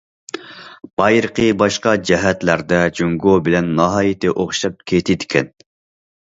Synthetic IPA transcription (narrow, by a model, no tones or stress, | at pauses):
b̥ɑjɾəqʰəbɑʃqɑd͡ʒɛɦɛt̪læɾd̪ɛd͡ʒyŋɡobɪlɛnːɑɦɑːjɪt̪ɪʔoχʃɑp̚kʲʰet̪ʰɪd̪ɪkʲʰɛn